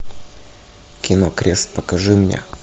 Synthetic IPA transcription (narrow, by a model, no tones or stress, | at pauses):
kʲɪnokɾʲest̪pəkɐʐɨmnʲḛ